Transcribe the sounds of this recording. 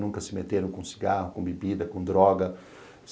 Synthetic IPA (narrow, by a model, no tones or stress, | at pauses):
nũŋkɐsɪmet̪eɾɐ̃w̃kõsi̥ɡahʊkõbebid̪ɐkõd̪ɾɔɡɐ | s